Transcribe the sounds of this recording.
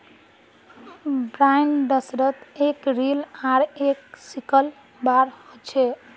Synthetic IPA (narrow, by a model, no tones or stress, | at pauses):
bɾajnɖəsɾət̪ekɾilaɾeksikəl | baɾhot͡ʃʰɛ